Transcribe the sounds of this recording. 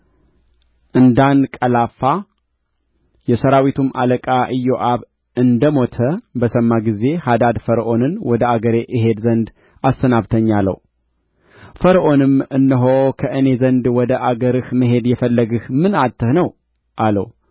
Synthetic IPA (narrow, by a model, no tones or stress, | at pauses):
ʔɨnd̪ankʼəlafːa | jɛsəɾawit̪ʰumʔa̰ləkʼaʔɨjoʔaβ | ɨnd̪əmo̞t̪ʰəbəsəmːaɡize̞had̪ad̪fəɾʔo̞nɨnwɔd̪əaɡəɾe̞ʔɨɦe̞d̪zənd̪ | ast̪ənaβt̪ʰəɲːalːə̰w | fəɾəʔo̞nɨmɨnːɨɦo̞kʰəʔɨne̞zənd̪wɔd̪əʔaɡəɾɨhməɦe̞d̪jɛfəlːəɡɨhmɨnat̪ːɨhnəw | ʔalə̰w